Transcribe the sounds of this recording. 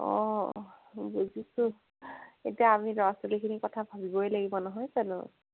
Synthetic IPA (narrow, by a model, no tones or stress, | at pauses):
ɔ̰̃ | buzisʊ̃ | ḛtiaːmiɹɔasolikʰinikɔtʰabʱabibɔjlaɡibɔnɔɦɔjkanʊ̰